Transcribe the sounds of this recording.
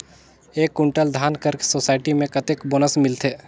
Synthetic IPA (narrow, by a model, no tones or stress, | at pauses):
eːkːʊɳʈəld̪ʱaːnkəɾsoːsaːɪʈimẽkɐt̪ɪkboːnəsmɪlt̪ʰeː